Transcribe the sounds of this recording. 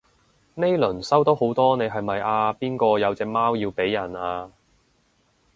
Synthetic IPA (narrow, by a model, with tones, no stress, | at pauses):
ne˥jlɵ˨˩nsɐ˥wt̪o˨˥who˨˥wt̪ɔː˥ne˨˧jɦɐ˨jmɐ˨jʔaː˧piː˥nkɔː˧jɐ˨˧wt͡sɛː˧k̚maː˥wjiː˧wpe˨˥jːɐ˨˩naː˧